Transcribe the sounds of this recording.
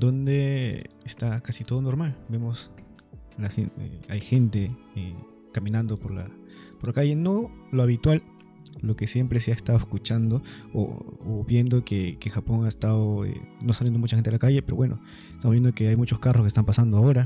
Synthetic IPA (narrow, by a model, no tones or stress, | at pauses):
d̪ond̪eest̪akasit̪oðonoɾmalbemos | laxeḛajxent̪e | e | kamĩnãnd̪opoɾla̰ | poɾlakaʝe̞noloaβit̪wal | lokesjempɾeseaest̪aðoeskut͡ʃand̪oo̰oβje̞nd̪okekexapoŋaest̪aðoḛnosaljend̪omut͡ʃaxent̪eelakaje̞peɾoβwenʔo̰ | est̪amoβjend̪okeajmut͡ʃo̞skaroskest̪ampasand̪oaoɾa